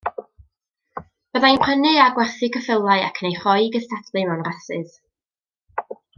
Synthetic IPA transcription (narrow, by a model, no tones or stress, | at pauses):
b̥əðajnpʰənɨaɡwɛrθɨkʰəfɪlˠaɨa̰kʰnejχɔjɡəstʰadlɨmanrasɨð